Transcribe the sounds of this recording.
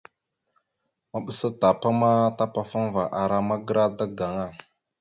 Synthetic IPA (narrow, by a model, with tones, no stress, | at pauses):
ma˨ɓə˨sa˦ta˨pa˦ma˦ta˦pa˦fa˦n˦va˨ʔa˨ɾa˦ma˦ɡə˦ɾa˦da˦ɡa˨ŋa˦˨